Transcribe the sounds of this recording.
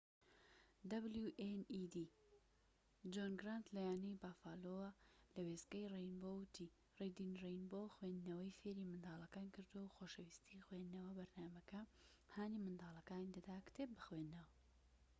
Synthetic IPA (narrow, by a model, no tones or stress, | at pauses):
d̪ɐbljuʔenid̪i | d͡ʒonɡɾant̪lajaːnejbaːfaːlowɐlɐweskɐjrejnbowt̪ʰi | rejd̪inrejnbowxwend̪nɐwɐjfeːɾiːmɨnd̪aːlˠɐkaːnkɨɾd̪uwɐwxoːʃɐwiːst̪ʰixwend̪nɐwɐbɐɾnaːmɐkɐhaːnimɨnd̪aːlˠɐkaːnid̪ɐd̪aːkt̪ʰebɨxwend̪nɐwɐ